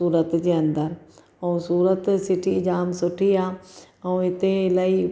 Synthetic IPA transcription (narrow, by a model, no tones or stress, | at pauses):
uːɾət̪d͡ʒeɐ̃nd̪əɾ | õsuːɾət̪sɪʈʰid͡ʒaːmsʊʈʰijaː | ɐ̃ɪt̪ẽlaːi